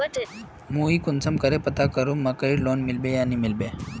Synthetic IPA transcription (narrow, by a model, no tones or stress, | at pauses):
mũiːkunt͡səmkəɾepət̪akəɾumməkəiɾlonmilbejanimilbe